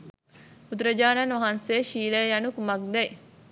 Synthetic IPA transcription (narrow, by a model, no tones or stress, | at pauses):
ut̪ɾɐd͡ʒaːnɐnʋɐɦɐnseʃiːlejjɐnukumɐk̚d̪ɐj